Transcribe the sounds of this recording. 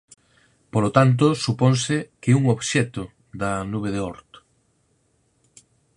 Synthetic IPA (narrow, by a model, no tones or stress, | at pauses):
polot̪ant̪̬osuponsɪkeuŋoβʃɛt̪ʊ | d̪ɐnuβeðeɔɾt̪